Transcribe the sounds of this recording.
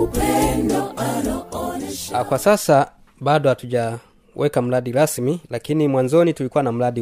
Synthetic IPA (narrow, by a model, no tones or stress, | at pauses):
n | kwasasa | badɔhatuɟa | wʔɛkam̩ladilasmilakinimwaɲd͡ʒɔnitulikuwanam̩ladi